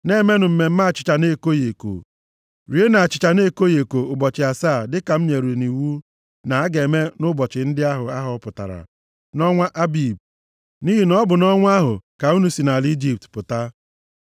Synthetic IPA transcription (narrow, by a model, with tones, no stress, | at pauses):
ne˦me˦nʊ˨m̩˨me˨m̩˦ma˦a˨t͡ʃɪ̥˨t͡ʃa˨ne˦˨ko˦je˨ko̰˨ | ɾi˨˦e˦na˨a˨t͡ʃɪ̥˨t͡ʃa˨ne˦ko˦je˨ko˨ʊ˨bɔ˨t͡ʃɪ˨a˨sa˦˨dɪ˦ka˨m̩˦me˨ɾe˨ni˨wu˦ | na˨a˦ɡe˨me˦nʊ˦bɔ˨t͡ʃɪ˨n̩˦dɪ˦a˦ɦʊ˨a˦ɦɔ˨˦pʊ˨ta̰˨ɾa̰˨ | nɔ˦ŋʷa˦ʔa˦bi˨b̚ | ni˦ɦi˨nɔ˦bʊ˨nɔ˦ŋʷ˦a˦ɦʊ̰˨ka˨u˦nu˦si˨na˨li˦d͡ʒi˦p̚tpʊ˨ta˦